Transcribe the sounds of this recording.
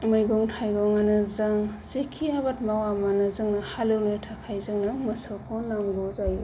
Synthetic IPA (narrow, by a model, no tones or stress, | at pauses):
mɯjɡɔŋtʰajɡɔŋanɯzaŋsekʰiabat̚mawamanɯzɯŋnahalɯwnitʰakʰajzɯŋnamɯsɔkʰɔnamɡɔzaj